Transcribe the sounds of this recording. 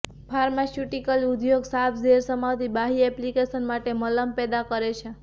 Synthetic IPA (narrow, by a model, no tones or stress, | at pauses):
fʰaɾmasjuʈikəlud̪joɡsap̪ʰd͡ʒeɾsəmawt̪ibaɦiɛplikesənmaʈemələmpɛd̪akəɾet͡ʃʰe